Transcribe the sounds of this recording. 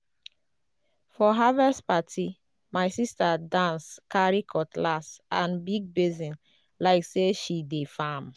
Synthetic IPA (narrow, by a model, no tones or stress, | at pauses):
fɔɦavɛspatʰi | maɪsistadãnskaɹikʰɔtlasãnbiɡ̚bizĩn | laɪkseʃidefãm